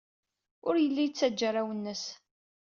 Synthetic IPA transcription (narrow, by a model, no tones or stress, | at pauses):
ʊɾjəlːijt͡sːæd͡ʒːaɾˤawənːəs